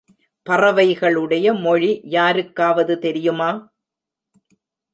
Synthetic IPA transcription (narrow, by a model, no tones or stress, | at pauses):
pɐrɐʋɐɪɣɐɭɯɽɐjɐmɔɻijaːɾɯkːaːʋɐðɯt̪ɛɾɪjɯmaː